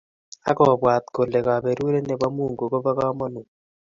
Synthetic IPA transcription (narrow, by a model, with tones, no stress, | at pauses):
a̰˦kɔ˨bwa˨t̪̚ko˨lɛ˨ka˨be˨ɾu˦ɾe˦ne˨ba˦mu˦˨ŋɡo˨ko˦ba˦ka˦mɔ˦nu˨